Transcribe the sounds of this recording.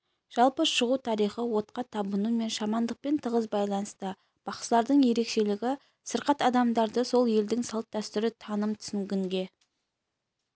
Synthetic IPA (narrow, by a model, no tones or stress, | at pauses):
ʒ̥ɑlˠpəʃəʁut̪ʰɑɾijχəwo̞t̪̚qɑt̪ʰɑbənume̞nʃɑmɑnd̪əq̚pe̞nt̪ʰəʁəzbɑjlˠɑnəst̪ə | b̥ɑqslˠɑɾd̪əɴje̞ɾe̞kʃe̞lɪɡʲɪ | səɾqɑt̪ɑd̪ɑmd̪ɑɾd̪əso̞lˠje̞ld̪ɪŋsɑlˠt̪ːæst̪ʏɾɪt̪ʰɑnəmt̪ʰʏ̥sɪŋɡʲɪŋɡʲe̞